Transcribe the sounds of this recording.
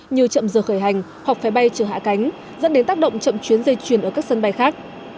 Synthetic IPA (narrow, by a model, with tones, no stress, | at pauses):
ɲi˨˩əwt͡ɕə̰˧˨mzəː˨˩xəː˧˩jɦa˨˩jŋ̟ | hwa˨˩k̚fa˨˦jɓa˧jt͡ɕəː˧˩ɦa̰ː˧˨ka˨˦jŋ̟ | zə̰˧˥nɗe˨˦nt̪aː˦˥k̚ɗə̰˧˨wŋ͡mt͡ɕə̰˧˨mt͡ɕwi˨˦ənzə˧jt͡ɕwi˧˩ənʔəː˧˩ka˦˥k̚sə˧nɓa˧jxaː˦˥k̚